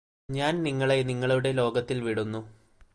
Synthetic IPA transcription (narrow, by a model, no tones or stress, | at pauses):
ɲaːnniŋːɐɭe̞niŋːɐɭuɽe̞lo̞ːɡɐt̪ːilʋiɽunːu